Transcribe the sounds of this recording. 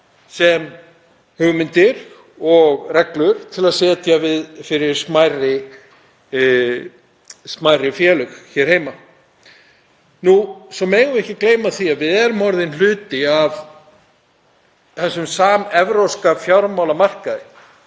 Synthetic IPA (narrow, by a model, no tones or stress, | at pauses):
sɛm | hʏɣʏmɪnt̪ɪɾ̥ | ɔɣrɛklʏɾ̥t̪ʰɪlaðsɛːt̪javɪðfɪɾɪɾ̥smajrɪ | smajrɪfjɛːlʏxçɛɾ̥hɦeːjma | nusɔmɛːɣʏɛhcɪkleːjmaðθiavɪðɛɾʏmɔɾðɪnlʏːt̪ɪav | θɛsːʏmsaːmɛvɾowskafjawɾmawlamar̥kaðɪ